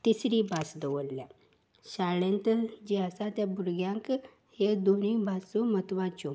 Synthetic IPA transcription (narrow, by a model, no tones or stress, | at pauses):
t̪isɾibasd̪əʋəllja | ɕaɭẽnt̪əd͡ʑeasat̪jabʱuɾɡjãŋk | hed̪onibʱasumət̪ʋãt͡ɕo